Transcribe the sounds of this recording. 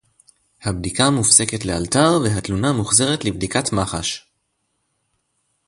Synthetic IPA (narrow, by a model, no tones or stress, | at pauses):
habdikamufse̞ke̞tle̞altaʁve̞ɦatlunamuχze̞ʁetlibdikatmaχaʃ